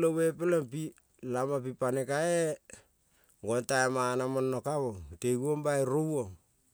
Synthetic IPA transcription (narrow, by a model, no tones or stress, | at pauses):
lowep̬elempi | lamap̬ipanekae | ɡontaemanamonːokawoŋteɡuombaeɾowoŋ